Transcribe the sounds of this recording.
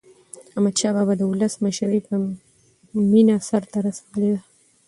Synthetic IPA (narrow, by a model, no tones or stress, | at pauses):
amad̪ʃɑbabad̪əʊləsməʃaɾipə | minasaɾt̪aɾasḁd̪əled̪a